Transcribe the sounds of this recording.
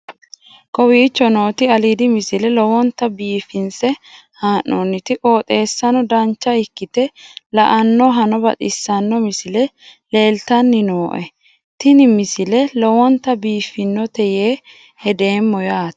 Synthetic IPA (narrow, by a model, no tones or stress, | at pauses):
kɔwiːt͡ʃːɔnoːt̪ɪɐlid̪ɪmɪsɪlɛlɔwɔnt̪ɐbiːfɪnsɛ | haːnʔɔ̰nːɪt̪ɪʔoːt̪ʼe̞ːsːɐnɔd̪ɐnt͡ʃːɐɪkːɪt̪ɛlɐ̰ʔɐnːɔɦɐnɔbɐ̰t̪ʼɪsːɐnːɔmɪsɪlɛle̞ːlt̪ɐnːɪnoːʔɛ̰ | t̪ɪnɪmɪsɪlɛlɔwɔnt̪ːɐbiːfɪnːɔt̪ɛjeː | hɛd̪e̞ːmːɔjaːt̪